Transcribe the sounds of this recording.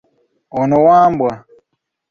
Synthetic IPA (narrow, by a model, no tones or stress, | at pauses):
ɔnɔwaːmbwa